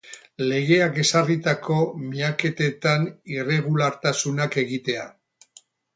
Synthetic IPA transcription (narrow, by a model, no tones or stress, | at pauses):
le̞ɣ̞e̞ake̞sarit̪ako̞miake̞t̪e̞t̪anire̞ɣ̞ulaɾt̪asunake̞ɣit̪e̞a